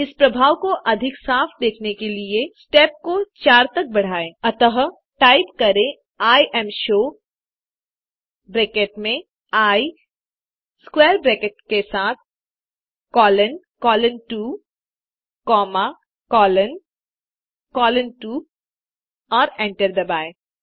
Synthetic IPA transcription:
ɪspɾɐbʱaːʋkoʔɐd̪ʱɪksaːfʰd̪eːkʰnekeliesʈɛːp̚kot͡ʃaːɾt̪ɐk̚bɐɽ̤aːẽːɐt̪əɦ | ʈaːɪpkɐɾẽ | aːiʔɛːmʃoː | bɾeːkeːʈmẽ | aːi | skwɛːɾbɾeːkeʈkesaːt̪̚ʰ | kɔːlən | kɔːlənʈuː | kɔːma | kɔːlən | kɔːlənʈu | ɔːɾɛ̃ːɳʈəɾd̪ɐbaːeː

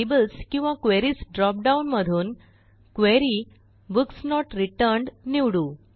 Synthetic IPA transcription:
ebəlskĩw̃ʋakʋeɾiːsɖɾɔp̚ɖaunməd̪ʱuːn | kʋeɾi | buksnɔʈɾiʈəɾɳɖniwɽuː

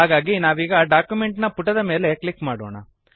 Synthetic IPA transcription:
ɦaːɡaːɡinaːʋiːɡɐɖaːkjumeɳʈnɐpuʈːɐd̪ɐme̞ːleklikmaːɽoːɳɐ̰

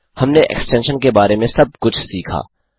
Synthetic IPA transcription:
hɐmneʔɛ̰ksʈɛ̃ːnʃənkebaːɾemẽsɐb̚kʊt͡ʃʰsiːkʰa̰ː

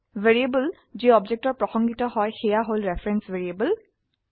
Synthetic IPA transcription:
veɹiebəl | ziɔbd͡ʒɛk̚tɔɹpɹɔxɔŋɡitɔɦɔjxɛjaɦolɹɛfʰɹɛnsveɹiebəl

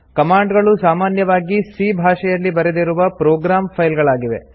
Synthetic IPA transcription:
kɐmaːɳɖɡɐɭusaːmaːnjɐʋaːɡisiːbʱaːʂɛjɐlːibɐɾed̪iɾuʋɐpɾoːɡɾaːmpʰɐjlɡɐɭaːɡiʋe̞̰

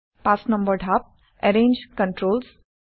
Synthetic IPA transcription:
pasnə̃mbəɾɖʱap̚ | ɛɾẽːnd͡ʒkə̃ɳʈɾoːls

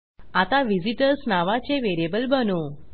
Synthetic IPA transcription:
at̪aʋiziʈəɾsnaʋat͡ɕeʋeɾijebəlbʱəno

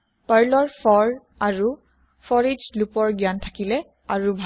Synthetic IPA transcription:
paɹlɔɹfʰɔɹ | aɹu | fʰɔɹid͡ʒlupɔɹɡjantʰakilɛ | aɹubʱ

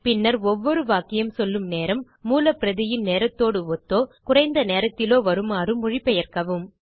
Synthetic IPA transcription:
pɪnːɐɾɔʋːɔɾɯʋaːkɪjɐmsɔlːɯmneːɾɐmːuːlɐpɪɾɐðɪjɪnneːɾɐt̪ːoːɽɯɔt̪ːoːkʊrɐɪnd̪ɐneːɾɐt̪ːɪloːʋɐɾɯmaːrɯmːʊɻɪpːɛjɐɾkɐʋɯm

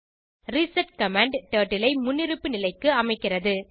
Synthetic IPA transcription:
ɾɪsɐʈ̚kɐmaːɳɖʈeːʈːɪlɐɪmʊnːɪɾɯpːɯnɪlɐɪkːɯɐmɐɪkːɪrɐðɯ

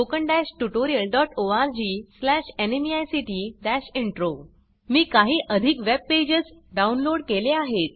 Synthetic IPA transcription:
okəɳɖæɕʈuʈoɾiəlɖɔʈoaɾd͡ʑiːslæɕenemiajsiʈiɖæɕiɳʈɾo | miːkaɦiːʔəd̪ʱiːkʋeb̚ped͡ʑəsɖaunloɽkeleaɦet̪̚

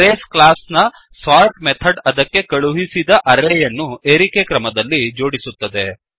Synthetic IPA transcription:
eːsklaːsnɐ | sʋaːɾʈmet̪ʰɐɖɐd̪ɐkːekɐɭuɦisid̪ɐʔɐɾejɐnːueːɾikekɾɐmɐd̪ɐlːid͡ʒo̞ːɽisut̪ːɐd̪e

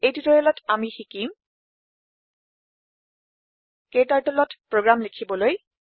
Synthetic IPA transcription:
ejtutɔjɛlɔtʰamixikim | kejtaɹtɛlɔtpɹoɡɹamlekʰibɔloj

